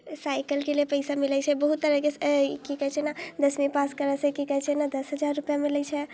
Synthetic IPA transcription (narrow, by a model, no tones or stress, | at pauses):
saɪkəlkelepəɪsamilɛt͡ʃʰɛbəɦut̪ːəɾəkekikəɦɛt͡ʃʰɛnad̪əsmipaskəɾəsẽkikəɦɛt͡ʃʰɛnad̪əsɦəd͡ʒaɾːupjamilɛt͡ʃʰɛ